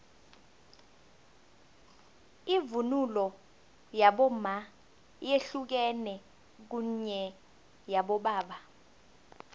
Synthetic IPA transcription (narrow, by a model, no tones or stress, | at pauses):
ivunulɔ | jaɓɔma | jeɬuk̬ɛnɛ | k̬uɲɛ | jaɓɔɓaːɓa